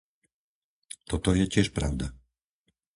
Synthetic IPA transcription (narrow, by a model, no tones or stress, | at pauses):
t̪ɔt̪ɔjɛcɪɛʃpɾa̰ʊd̪a